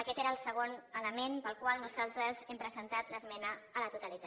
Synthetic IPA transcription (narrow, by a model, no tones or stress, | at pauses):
əkɛt̪eɾəːlˠsəɣ̞onələmenpəlˠkwalˠnuzalˠt̪ɾəzɛmpɾəzənt̪at̪ləzmɛnəːlət̪ut̪əlit̪a